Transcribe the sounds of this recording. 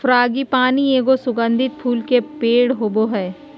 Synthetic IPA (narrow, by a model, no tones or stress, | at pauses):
fʰɾaːɡipaːnieːɡosʊɡə̃nd̪ʱɪt̪̚pʰuːlkepeːɽɦoboɦɛː